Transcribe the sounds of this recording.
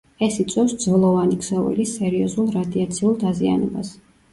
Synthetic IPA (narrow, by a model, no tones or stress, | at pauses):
ɛsit̪sʼwɛfsd̪zvɔlˠɔvanikz̥ɔvɛ̰lisɛɾiɔzulˠɾad̪iat̪sʰiulˠd̪azia̰nɛbas